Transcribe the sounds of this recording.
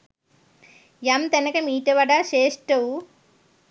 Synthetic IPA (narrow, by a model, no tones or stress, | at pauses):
jamt̪ɐnɐkɐmiːʈɐʋɐɖaʃeːʂʈɐw